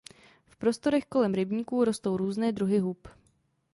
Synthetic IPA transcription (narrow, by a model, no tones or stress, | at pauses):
fpɾo̞st̪o̞ɾɛxko̞lɛmɾɪbɲiːkuːɾo̞st̪o̞wɾuːznɛːdɾuɦɪɦup